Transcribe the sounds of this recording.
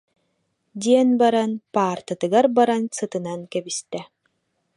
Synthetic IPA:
d̪ʲiɛnbaɾanpaːɾt̪ɯt̪ɯɡaɾbaɾansɯt̪ɯnankɛbist̪ɛ

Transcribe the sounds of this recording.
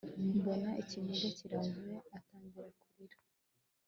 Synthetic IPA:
mbonaʔicimiɡeciɾazwe̞ataːɲɡiɾakuɾiɾa

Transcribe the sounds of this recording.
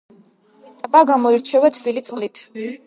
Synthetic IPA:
t̪ʼbaɡamɔiɾt͡ʃʰɛvɛt̪ʰbilit̪sʼqʼlit̪ʰ

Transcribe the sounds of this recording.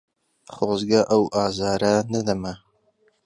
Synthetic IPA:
χozɡɐʔɐwʔaːzɑːɾɐnɐd̪ɐmɐ

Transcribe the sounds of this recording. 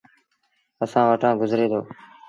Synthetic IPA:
əsãːʋəʈãːɡʊzɾeːd̪oː

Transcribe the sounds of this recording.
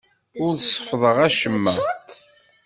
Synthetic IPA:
ʊɾsə̥fðˤəʁæʃəmːə

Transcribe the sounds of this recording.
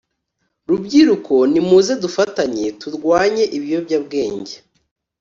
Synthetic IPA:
ɾubɟiɾukʰo̞nimuːze̞dufataɲetuɾɡwaːɲe̞ʔiβijo̞bɟabɡe̞ːɲɟe

